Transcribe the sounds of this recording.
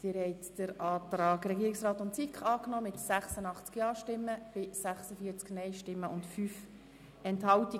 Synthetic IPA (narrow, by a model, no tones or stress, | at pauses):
d̥̪ɪɾhɛɪt̪d̥əɾɑːt̪ɾɑːɡɾɛɡiːɾiksrɑːt̪ʊntsikχɑːknɔːmɪtsæχsənɑχt͡skjɑːʃtɪmːəb̥ɪsæχsəfiːəɾt͡sknɛɪʃtɪmːəʔʊntfyːf | ɛnthɑwti